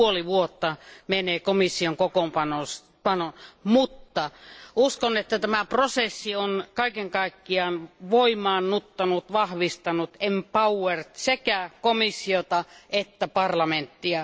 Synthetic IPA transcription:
uoliʋuot̪ːɑmeneːkomisːioŋkokompɑnos | pɑnomut̪ːɑuskonet̪ːæt̪æmæprosesːionkɑikeŋkɑikːiɑnʋoimˑɑːnnut̪ːɑnut̪ʋɑhʋist̪ɑnut̪empɑuwert̪sekækomisːiot̪ɑet̪ːæpɑrlɑment̪ːiɑ

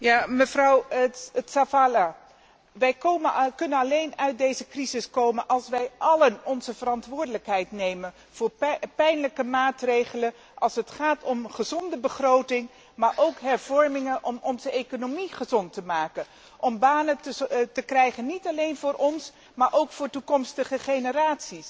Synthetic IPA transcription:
jaːməvrɑwətsafala | ʋɛjkoməkɵnənɑlejnœɥt̚dejzəkrizɪskowmənʔɑlˠsʋɛjʔɑlənɔnzəvərɑntʋʊːɹdələkɦɛjtnejmən | v̥ʊːɹpɛjnləkəmaːtrejχələ | ʔɑlˠsətχaːtɔmχəzɔndəbəχrowtɪŋ | maːɹʔowkɦɛɹv̥ɔɹmɪŋənʔɔmʔɔnzəejkonomiχəzɔntəmaːkən | ʔɔmbaːnətəkrɛjχənːitɑlejnvʊːɾʔɔns | maːɹʔowkfʊːɹtukɔmstəχəχejnəraːtsis

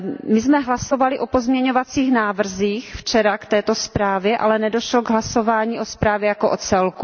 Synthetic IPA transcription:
mɪzmɛɦlaso̞valɪʔopozmɲɛɲovat͡siːxnaːvr̩ziːxft͡ʃɛɾakt̪ɛːt̪o̞spɾaːvjɛʔa̰lɛnɛdo̞ʃloɡɦlaso̞vaːɲiːʔo̞spɾaːvjɛjakoʔot͡sɛlku

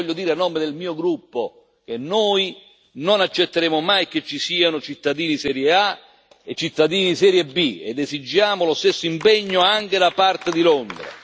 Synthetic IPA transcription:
ʎːod̪iːɾeanːɔːmed̪elmiːoɡɾupːo | k̟enːoːj | nonat͡ʃːet̪ːeɾɛːmʊmajket͡ʃːisiːanʊt͡ʃit̪ːad̪iːnisɛːɾjea | et͡ʃːit̪ːad̪iːnisɛːɾjebːiḛd̪ːezid͡ʒːaːmʊlʊst̪esːoimpɛɲːoaŋk̟ed̪apart̪ed̪ilond̪ɾa̰

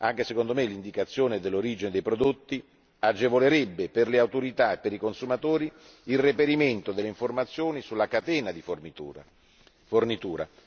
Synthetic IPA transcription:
aŋk̟esekond̪omelind̪ikat̪sːjoːned̪elːoɾiːd͡ʒined̪ejpɾod̪ot̪ːi | ad͡ʒevoleɾɛbːeperleawt̪oɾit̪aepːeɾikonsumat̪oːɾiː | lrepeɾiment̪od̪elːeiɱformat̪sːjoːnisulːakat̪ɛːnad̪if | fornit̪uːɾa̰

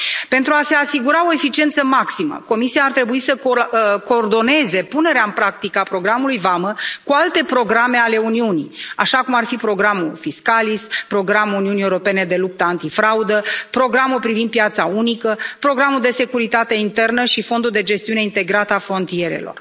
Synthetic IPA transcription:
pe̞nt̪ɾuase̞asiɡuɾao̞e̞fit͡ʃie̞nt̪səmaksimə̰ko̞misiaːrt̪ɾe̞buisəko̞ːrd̪o̞ne̞ze̞pune̞ɾeaɨnpɾak̚t̪ikəapɾo̞ɡɾamulujvaməkualt̪e̞pɾo̞ɡɾame̞ale̞uniunḭaʃakumarfipɾo̞ɡɾamṵlfiskalispɾo̞ɡɾamuuniunieuɾo̞pe̞ne̞d̪e̞lup̚t̪əant̪ifɾaud̪əpɾo̞ɡɾamulpɾivind̪̚pːjat̪saunikəpɾo̞ɡɾamuld̪e̞se̞kuɾit̪at̪e̞int̪e̞rnəʃifo̞nd̪uld̪e̞d͡ʒe̞st̪iune̞int̪e̞ɡɾat̪əafɾo̞nt̪ie̞ɾe̞̰lo̞̰r

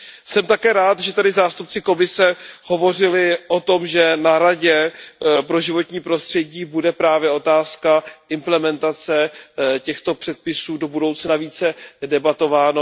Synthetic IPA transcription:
sɛmt̪akɛːɾaːt̪ʒɛt̪adɪzaːst̪up̚t͡sɪko̞mɪsɛho̞vo̞r̝ɪlɪʔo̞t̪o̞mʒɛnaɾaɟɛpɾo̞ʒɪvo̞t̪ɲiːpɾo̞st̪r̥ɛɟiːbudɛpɾaːvjɛʔo̞t̪aːskaʔɪmplɛmɛnt̪at͡sɛcɛxt̪o̞pr̥ɛt̪̚pɪsuːdo̞budowt͡snaviːt͡sɛdɛbat̪o̞vaːno

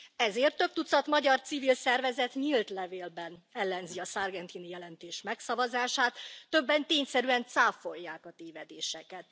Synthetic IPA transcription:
ɛzeːrt̪ːøp̚t̪ut̪sɒt̪mɒɟɒrt̪sivilsɛrvɛzɛt̪ɲilt̪lɛveːlbɛnɛlːɛnziɒsarɡɛnt̪inijɛlɛnt̪eːʃmɛksɒvɒzaːʃaːt̪ːø̞bːɛnt̪eːɲsɛɾyɛnt̪saːfo̞jːaːkɒt̪eːvɛd̪eːʃɛkɛt̪

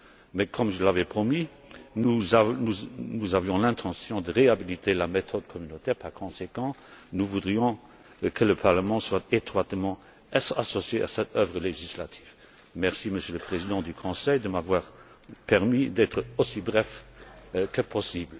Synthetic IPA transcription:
mɛkʰɔmʒəlavɛpχɔmi | nuzanunuzavjɔ̃lɛ̃t̪ʰɑ̃sjɔ̃d̪əʁeabilit̪ʰelamet̪ʰɔd̪kʰɔmynot̪ɛːʁpaʁkʰɔ̃sekɑ̃nuvud̪ʁijɔ̃ | kʰələpʰaʁləmɑ̃swat̪et̪χwat̪mɑ̃ | asɔsjea̰sɛt̪ʰœvʁəleʒislat̪ʰi̥ːv | mɛʁsiməsjøləpχezid̪ɑ̃d̪ykʰɔ̃sɛjd̪əmavwaːʁ | pɛʁmid̪ɛt̪χəosibʁɛf | kəpʰɔsiːblə

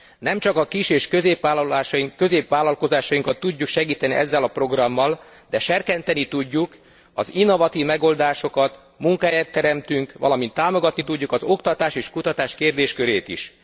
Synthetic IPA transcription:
nɛmt͡ʃɒkɒkiʃeːʃkø̞zeːpʋaːlɒlaːʃɒiŋkøzeːpʋaːlɒlko̞zaːʃɒjiŋkɒt̪ːuɟːukʃɛɡiːt̪ɛnḭʔɛzːɛlɒpro̞ɡrɒmːɒl | d̪̥ɛʃɛrkɛnt̪ɛnit̪uɟːuk | ɒzinːo̞vɒt̪iːvmɛɡo̞ld̪aːʃo̞kɒt̪ | muŋkaːjaːt̪ːɛɾɛmt̪yŋkʋɒ̰lɒmint̪ːaːmo̞ɡɒt̪nit̪uɟːukɒzo̞kt̪ɒt̪aːʃeːʃkut̪ɒt̪aːʃkeːrd̪eːʃkø̞ɾeːt̪ḭʃ

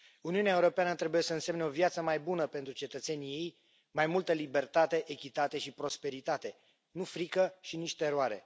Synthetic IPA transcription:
uniuneaeuɾo̞peanət̪ɾe̞buje̞səɨnse̞mneo̞vjat̪səmajbunəpe̞nt̪ɾut͡ʃe̞t̪ət̪se̞nije̞j | majmult̪əlibe̞rt̪at̪e̞ʔekʲit̪at̪e̞ʃipɾo̞spe̞ɾit̪at̪e̞ | nufɾikəʃiniʃt̪eeɾoaɾe̞̰

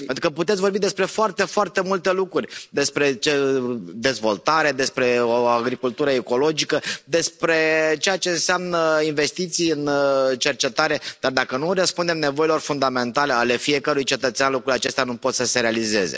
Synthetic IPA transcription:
ent̪ɾukəput̪et̪sʲvo̞rbid̪e̞spɾe̞foart̪e̞foart̪e̞mult̪e̞lukɾurʲd̪e̞spɾe̞t͡ʃed̪e̞zvo̞̰lt̪aɾe̞d̪e̞spɾe̞oaɡɾikult̪uɾəeko̞lo̞d͡ʒikəd̪e̞spɾe̞t͡ʃe̞jat͡ʃe̞ɨnseamnəinve̞st̪it̪sijɨnt͡ʃe̞rt͡ʃe̞t̪aɾe̞d̪̥ard̪akənurəspund̪e̞mne̞vo̞ilo̞rfund̪ame̞nt̪ale̞ale̞fie̞kəɾujt͡ʃe̞t̪ət̪seanlukɾulʲjat͡ʃe̞st̪eanupo̞t̪səse̞ɾe̞alize̞̰ze̞̰

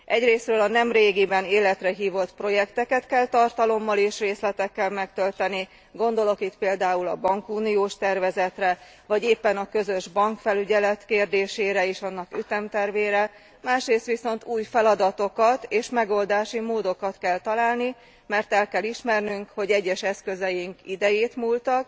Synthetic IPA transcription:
ʔɛɟreːsrøːlɒnɛmreːɡibɛneːlɛt̪rɛɦiːvo̞t̪pro̞jɛkt̪ɛkɛt̪kɛlt̪ɒrt̪ɒlo̞mːɒleːʃreːslɛt̪ɛkːɛlmɛkt̪ølt̪ɛni | ɡo̞nd̪o̞lo̞kit̪peːld̪aːulɒ̰bɒŋkuːnijoːʃt̪ɛrvɛzɛt̪rɛ | vɒɟeːpːɛnɒkø̞zø̞ʒbɒŋkfɛlyɟɛlɛt̪keːrd̪eːʃeːɾɛeːʃɒnːɒkyt̪ɛmt̪ɛrveːɾɛ | maːʃreːst̪ʋiso̞nt̪uːjfɛlɒd̪ɒt̪o̞kɒt̪eːʃmɛɡo̞ld̪aːʃimoːd̪o̞kɒt̪kɛlt̪ɒlaːlni | mɛrt̪ɛlkɛliʃmɛrnyŋkho̞ɟɛɟːɛʃɛskø̞zɛjiŋkid̪ɛjeːt̪muːlt̪ɒk

